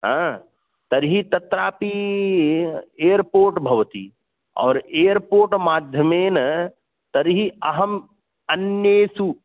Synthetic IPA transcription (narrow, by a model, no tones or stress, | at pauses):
ɦãː | t̪ɐɾɦit̪ɐt̪ɾaːpi | eːjəɾpoːɾʈbʱɐʋt̪ḭ | ɔ̰ːɾeːəɾpoːɾʈmaːd̪ʱjəmeːnɐ | t̪ɐɾɦiɐɦɐm | ɐnjeːsu